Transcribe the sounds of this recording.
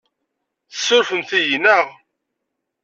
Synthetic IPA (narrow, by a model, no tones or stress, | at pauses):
θə̥sːʊɾfəmθijnəʁ